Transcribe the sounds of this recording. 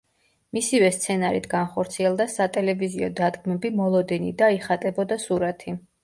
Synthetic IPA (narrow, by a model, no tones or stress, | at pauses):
misivɛst̪sʰɛnaɾḭt̪ʰɡ̥anχɔɾt̪sʰiɛlˠd̪asat̪ʼɛlɛviziɔd̪ad̪ɡmɛbimɔlˠɔd̪ɛnḭd̪aiχat̪ʼɛbɔd̪asuɾat̪ʰi